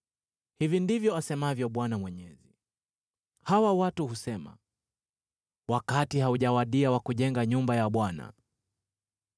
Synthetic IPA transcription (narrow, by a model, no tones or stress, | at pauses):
hivindivjɔasɛmavjɔɓwanamwɛɲɛzi | hawawatuhusɛma̰ | wakatihauʄawaɗiawakuʄɛŋɡaɲumbajaɓwana̰